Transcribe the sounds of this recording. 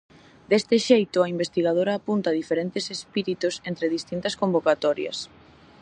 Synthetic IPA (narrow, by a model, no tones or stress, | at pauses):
d̪est̪ɪʃejt̪ʊaimbest̪iɣað̞oɾɐːpunt̪aːðifeɾent̪ɪsespiɾit̪ʊsent̪ɾeðist̪int̪ɐskombokat̪ɔɾjɐ̰s